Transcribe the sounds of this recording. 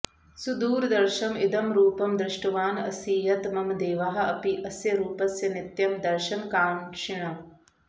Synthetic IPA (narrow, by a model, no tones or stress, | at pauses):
sud̪uːɾd̪ɐɾʃɐmid̪ɐmɾuːpɐmd̪ɾɪʂʈɐʋaːnɐ̰siːjɐt̪mɐmd̪eːʋɐɦɐ̆ɐpiʔɐsjɐɾuːpɐsjɐnit̪jɐmd̪ɐɾʃɐnkaːɳʂiɳɐ